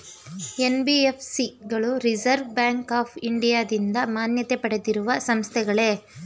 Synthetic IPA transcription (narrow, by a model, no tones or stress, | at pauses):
e̞nbiepʰsiɡɐɭuɾid͡ʒɐɾʋbjaːŋkaːpʰiɳɖijaːd̪ind̪ɐmaːnjɐt̪epɐɽed̪iɾuʋɐsɐmst̪ʰɛɡɐɭe̞